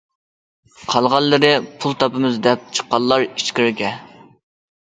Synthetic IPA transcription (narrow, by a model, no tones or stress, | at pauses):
qʰɑlˠʁɑlːɨɾɨpʰulˠt̪ʰɑpɨmɨzd̪ɛp̚t͡ʃʰə̥qːɑlˠːɑɾiʃkʲɪɾɡʲɛ